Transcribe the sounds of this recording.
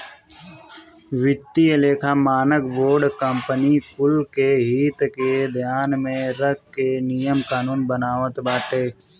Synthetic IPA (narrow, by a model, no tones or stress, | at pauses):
ʋɪt̪ːileːkʰaːmaːnəkboːɾɖkəmpənikʊlkeɦiːt̪ked̪ʱjaːnmẽɾək̚kːenijəmkaːnuːnbənaːʋət̪baːʈeː